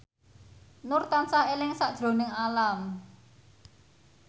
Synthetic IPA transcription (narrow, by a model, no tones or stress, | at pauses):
nʊrt̪ansaelɪŋsaʔd̥ʒ̥ɾo̤nɪŋalam